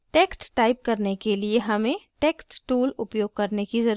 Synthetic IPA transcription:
ʈeːksʈʈaːɪp̚kɐɾnekelieɦɐmẽʈeːksʈʈuːlʊpjoːɡ̚kɐɾnekizɐɾ

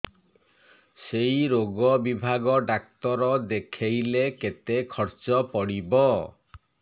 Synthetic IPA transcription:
sejɾoɡɔbibʱaɡɔɖak̚t̪ɔɾɔd̪ekʰejleket̪ekʰɔɾt͡ʃɔpɔɽibɔ

